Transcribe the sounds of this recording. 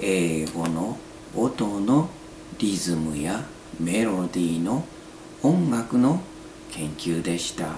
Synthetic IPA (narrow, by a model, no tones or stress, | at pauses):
e̞ːɡo̞no̞ː | t̪o̞no̞ | ɾʲizɨmɯ̟ja | me̞ɾo̞d̪ʲiːnõ̞ː | ŋɡakɯ̟no̞ | kʰẽ̞ŋkʲɨːd̪e̞ɕi̥t̪a